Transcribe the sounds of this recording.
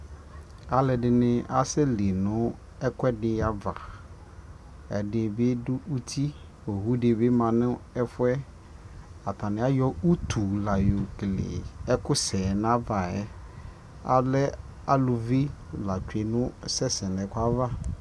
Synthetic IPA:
a˨lɛ˨dɪ˨nɪ̃˦a˦sɛ˦li˨nʊ̃˦ | ɛ˦kɛ˦dɪ˦a˨va̰˨ | ɛ̰˨dɪ˨be˦dʊ˦u˦t̪ʰi˦ | o˨ɦu˦dɪ˨bɪ˦mã˨nʊ̃˦ɛ˦fʊ˦ɛ˦ | a˨t̪ʰã˨nɪ̃˨˦a˦jɔ˦u˦t̪ʰu˨la˨jo˨klḛ˨ɛ˦kʊ˦sɛ˨n˦ã˦va˨ɛ˦ | a̰˨lɛ˦ | a˦lʊ˨vi˦la˨t͡ʃᶣe˨nʊ̃˦sɛ˦sɛ̃˨nɛ̃˨ka˦va˦

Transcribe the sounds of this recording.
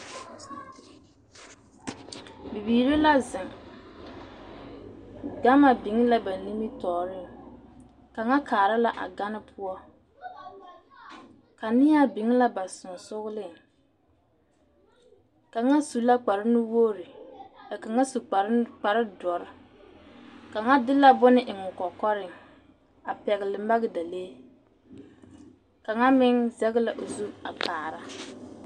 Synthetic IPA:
bi˨biː˨ɾe˦la˦zɪ˨ŋ | ɡa˦ma˨bɪ˨˦ŋ˦la˦ba˨ni˦mi˦tɔː˨ɾɪ˦˨ | ka˨ŋa˦kʰaː˨ɾɪ˦la˨ʔa̰˨ɡa˦nɪ˦pʰʊ˦ɔ˦ | ka˨nɪ˦ja˦bɪ˨˦ŋ˦la˦ba˨sʊ˨n˨sʊ˦ɣʊ˦lɪ˦˨ | ka˨ŋa˦su˨la˦k͡pa˨ɾɪ˦nʊ˦woː˦ɾɪ˨a˨ka˨ŋa˦su˨˦k͡pa˨ɾɪ˦dɔ˨ɾɪ˦ | ka˨ŋa˦dɪ˦la˦bʊ˦nɪ˦ʔɪ˨ŋʊ˨kɔ˨kɔ˦ɾɪ˨ŋ | a˨pɛ˨ɣɪ˨lɪ˨m˦ba˦ɣɪ˦da˨leː˦ | ka˨ŋa˦mɪ˦ŋzɛ˦ɣɪ˦la˨ʔo˨zu˦a˨pʰaː˨ɾa˦

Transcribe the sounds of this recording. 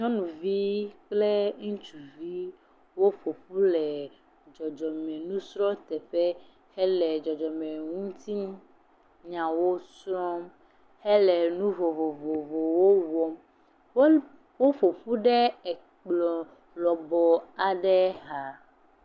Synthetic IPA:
ɲɔ̃˦nũ˨vi˦k͡ple˦ŋũ˦t͡ʃu˨vi˦ | wo˦fo˨ɸu˦lɛ˨ | d͡ʒɔ˨d͡ʒɔ˨mɛ˨nũ˦sɾɔ̃˦t̪ɛ˨ɸe˦ | hɛ˦lɛ˨d͡ʒɔ˨d͡ʒɔ˨mɛ̃˨ŋũ˦t̪i˦m˦ | ɲã˨wo˦sɾɔ˦m | hɛ˦lɛ˨nũ˦vo˨vo˨vo˨vo˨wo˦wɔ˦m | w | wo˦fo˨ɸu˦ɖɛ˦ɛ˨ | k͡plɔ˨ | lɔ˨bɔ˨a˨ɖɛ˦ɦa˨

